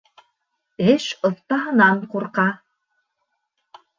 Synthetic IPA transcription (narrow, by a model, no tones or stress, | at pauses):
eʃɤ̆θt̪ɑɦɤ̆nɑɴquɾqɑ